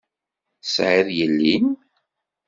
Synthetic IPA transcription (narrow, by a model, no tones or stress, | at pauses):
sʕɪðjəlːin